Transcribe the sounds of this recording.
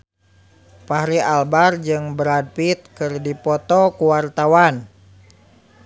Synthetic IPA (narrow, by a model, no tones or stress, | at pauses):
paɦɾialbard͡ʒɨŋbəɾad̚pit̪̚kɨrdipɔt̪ɔkuwart̪awan